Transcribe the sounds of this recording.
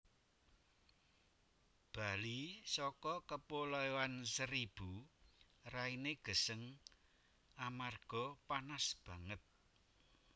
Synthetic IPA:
b̥a̤lisɔkɔkəpolɔjɔansəɾib̥u | raineɡ̥ə̤səŋ | amarɡ̥ɔ̤panasb̥ä̤ŋət̪̚

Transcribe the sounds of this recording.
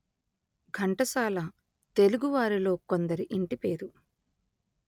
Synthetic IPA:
ɡʱɐɳʈɐsaːlɐ | t̪e̞luɡuʋaːɾilo̞ːko̞nd̪ɐɾiʔiɳʈipe̞ːɾu

